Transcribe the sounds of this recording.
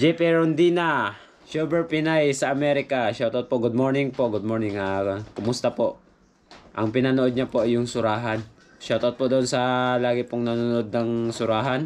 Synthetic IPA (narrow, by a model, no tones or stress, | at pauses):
d͡ʒɛpɛɾond̪ina | ʃoːbɛɹpɪnajsɐʔɐmɛɾɪkaʃat̪ot̪̚poʔɡʊd̪̚moːɹnɪŋpoʔɡʊd̪̚moɹnɪŋakʊmʊst̪ɐpoʔ | ʔɐŋpɪnanoʔod̪̚ɲapoʔjʊŋsʊɾaːɦan | ʃat̪ot̪̚pod̪oʔonsɐlaːɡɪpʊŋnɐnunoʔod̪̚nɐŋsʊɾaːɦan